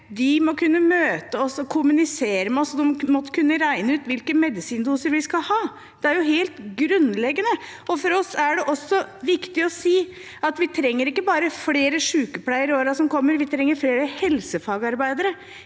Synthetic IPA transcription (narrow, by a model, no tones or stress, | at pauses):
d̪ɪmɔkʰʉnːəmøːt̪əɔsɔkʰʊmʉnɪseːɾəmɛɔsɔd̪ɛmmɔt̪ːkʰʉnːəɾæɪnəʉːt̪ʋɪlkəmɛd̪ɪsiːnd̪uːsəɾʋɪskɑlhɑː | d̪̥ɛæɾjʊɦeːlt̪ɡɾʉnlɛɡːənə | ɔfɔɾɔsæɖɛʔɔsːɔʋɪkt̪ɪɔsiː | ɑt̪ʋɪt̪ʰɾɛŋːəɾɪkːəbɑːɾəfleːɾəʂʉːkəpʰlæɪəɾoːɾɑsɔmkʰɔmːəɾʋɪt̪ʰɾɛŋːəɾfleːɾəhɛlsəfɑːɡɑɾbæɪd̪əɾə